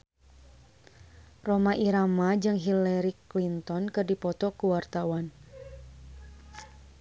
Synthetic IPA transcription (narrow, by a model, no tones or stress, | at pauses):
romaʔiɾamad͡ʒɨŋɦilɛɾiklint̪ɔnkɨrdipɔt̪ɔkuwart̪awan